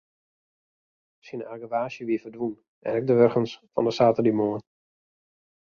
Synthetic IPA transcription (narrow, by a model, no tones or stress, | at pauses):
sinaɡəʋaːʃjəʋiəfərdʋun | ʔɛ̰nɛɡ̚dəʋørxənsfɔ̰ndəsaːtərdimoən